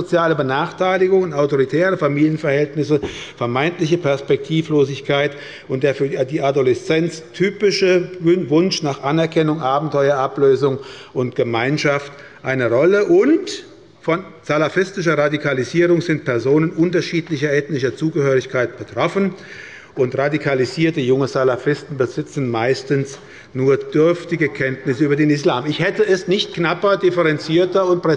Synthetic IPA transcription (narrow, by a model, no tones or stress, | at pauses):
zot͡sjaːləbənaːχtʰaɪlɪɡʊŋnaʊtoʁitʰɛːʁəfamiːljənfɛɐhɛltnɪsəfɛɐmaɪntlɪçəpʰɛɐspɛk̚tʰiːfloːzɪçkʰaɪt | ʊntd̥eːɐfyːɐdiːadolɛst͡sɛnt͡stʰyːpɪʃəvʊnʃnaːχʔanɛɐkʰɛnʊŋʔaːbm̩tʰɔʏɐʔapløːzʊŋʔʊntɡ̥əmaɪnʃaft | ʔaɪnəʁɔləʔʊnt | fɔnz̥alafɪstɪʃɐʁadikʰaliziːʁʊŋzɪntpʰɛɐzoːnənʔʊntɐʃiːtlɪçɐɛːtnɪʃɐt͡suːɡəhøːʁɪçkʰaɪt̚b̥ətʁ̥ɔfn | ʔʊntʁadikʰaliziːɐtəjʊŋəzalafɪstn̩bəzɪt͡sn̩maɪstn̩s | nuːɐd̥ʏɐftɪɡəkʰɛntnɪsyːbɐdeːnɪslaːmɪçhɛtəɛsnɪçt̚knapɐdɪfəʁɛnt͡siːɐtɐʊnt̚pʁɛ